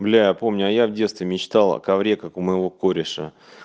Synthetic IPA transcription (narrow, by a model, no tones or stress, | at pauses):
blʲæjapo̞mnʲʊɐjavdʲet̪st̪vʲɪmʲɪt͡ɕt̪al̰ˠkɐvɾʲekakʊməjɪvo̞koɾʲɪʂə̰